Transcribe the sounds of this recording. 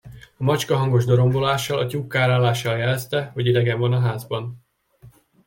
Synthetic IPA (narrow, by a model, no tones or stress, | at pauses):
ɒmɒt͡ʃkɒɦɒŋɡo̞ʒd̪o̞ɾo̞mbo̞laːʃːɒlɒcuːkːaːɾaːlaːʃːɒljɛlɛst̪ɛhoɟid̪ɛɡɛɱvɒnɒɦaːzbɒn